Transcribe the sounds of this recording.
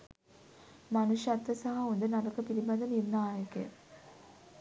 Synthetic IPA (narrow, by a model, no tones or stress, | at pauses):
manuʃat̪ːəsaɦaond̪ənaɾɐkəpiliband̪ənirnaːjəkḛ